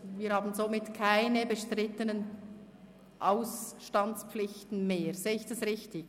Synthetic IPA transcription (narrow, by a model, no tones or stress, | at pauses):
viːɐɾhaːbn̩zomɪtkʰaɪnəbəʃtʁɪtənən | ʔaʊsʃtɑntt͡sp͡flɪçtn̩meːɾz̥eːəɪçd̥ɑsʁɪçtɪɡ